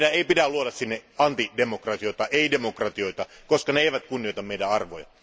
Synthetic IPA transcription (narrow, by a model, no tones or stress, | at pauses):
dæeˑipitæluoɾɑssinːeɑnt̪idemokrɑt̪ioit̪ɑʔeidemokrɑt̪ioit̪ɑkoskɑneeiʋæt̪kunːioˑit̪ɑmeidæɑrʋo̰jɑ̰